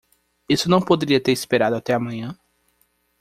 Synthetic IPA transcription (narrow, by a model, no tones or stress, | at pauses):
isʊnɐ̃w̃pod̪eɾiɐt̪eɾispeɾad̪ʊat̪ɛamɐ̃ɲɐ̃